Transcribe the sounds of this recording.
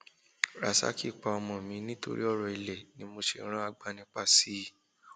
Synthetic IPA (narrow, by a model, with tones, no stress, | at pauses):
ɾa̰˨sa̰˦ki˦˨k͡pa˧ɔ˧mɔ̃˧˨mĩ˧˦nĩ˦to̰˧ɾḭ˦ɔ˦˨ɾɔ˨i˧lɛ˨nĩ˨˦mo˧ʃe˨˦ɾ̃ã˦a˧ɡ͡ba˧nĩ˧k͡pa˦˨si˦˨